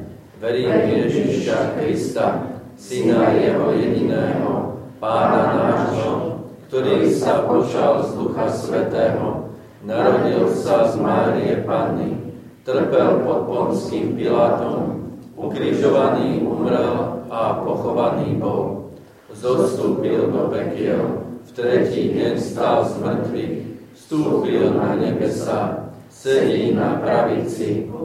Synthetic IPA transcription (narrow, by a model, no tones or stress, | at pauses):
ʋɛɾijɛʒiʃaxɾist̪a | sinajɛɦɔjɛɟinɛːɦɔpaːnanaːʃɔkt̪ɔɾiːsapɔt͡ʃalzd̪uxasʋɛt̪ɛːɦɔ | naɾɔɟilsazmaːɾiɛpanːḭ | t̪r̩pɛlpɔt̪̚pɔnskiːmpilaːt̪ɔmukɾiʒɔʋaniːʔumɾɛlapɔxɔʋaniːbɔl | zɔst̪uːpild̪ɔpɛkɪɛlft̪ɾɛciːɟɛɲst̪aːlzmr̩t̪ʋix | st̪uːpilnaɲɛbɛsa | sɛɦinapɾaʋit͡si